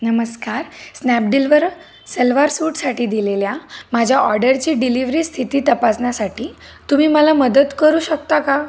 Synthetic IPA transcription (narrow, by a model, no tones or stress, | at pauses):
nəməskaɾsnæp̚ɖilʋəɾ | selʋaɾsuːʈsaʈiːd̪ileljamad͡ʑʱjaʔɔɾɖəɾt͡ɕiːɖiliʋɾiːst̪ʰit̪iːt̪əpasnjasaʈʰiː | t̪um̤iːməlaməd̪ət̪kəɾuːɕək̚t̪aka